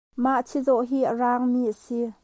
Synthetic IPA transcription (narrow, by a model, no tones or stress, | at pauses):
maʔt͡sʰizɔʔɦiːʔəraːŋmiːʔəsi